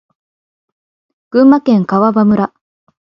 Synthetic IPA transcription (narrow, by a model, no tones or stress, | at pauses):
ɡ̥ɯ̟̃mːakẽ̞ŋkaβabamɯ̟ɾa